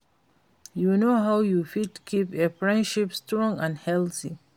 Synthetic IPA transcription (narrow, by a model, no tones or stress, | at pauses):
junoɦawjufitkʰipefɹɛ̃ndʃipstɹɔ̃ŋãndhɛlθi